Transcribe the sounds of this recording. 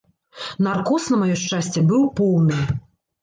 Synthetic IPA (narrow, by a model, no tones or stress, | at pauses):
narkɔsnɐmajɔʂt͡ʂasʲt͡sʲɛbɨwpɔwnɨ